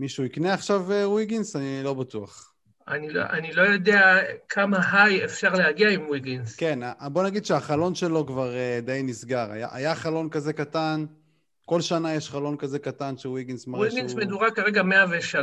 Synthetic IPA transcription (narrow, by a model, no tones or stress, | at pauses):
miʃuikneaχʃavewiɡinsanilo̞bat̪uaχ | anilo̰ʔanilo̞jo̞d̪eakʰamaɦajefʃaʁlehaɡiaimwiɡinske̞nabo̞naɡid̪ʃeaχalo̞nʃe̞lo̞kvaʁed̪ejnisɡaʁa̰ja̰ʔa̰jaχalo̞nkazekat̪an | ko̞lʃanajeʃχalo̞nkaze̞kat̪anʃewiɡinsmaʁiɡinsmed̪uʁakaʁeɡameaveʃal